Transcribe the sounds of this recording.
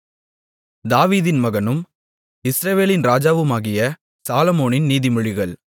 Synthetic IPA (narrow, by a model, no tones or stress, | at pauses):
d̪aːʋiːðɪnmɐɣɐnɯm | ɪsɾɐʋeːlɪnɾaːd͡ʒaːʋɯmaːɣɪjɐ | saːlɐmoːnɪnniːðɪmɔɻɪɣɐɭ